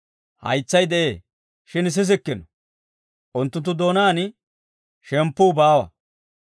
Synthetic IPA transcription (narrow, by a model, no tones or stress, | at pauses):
hɐ̰jt͡sːɐjd̪ɛʔe̞ː | ʃɪns̬ɪs̬ɪkːɪnɔ | ʔʊnt̪ːʊnt̪ːʊd̪oːnaːn | ʃɛmpːʊːbaːwɐ̰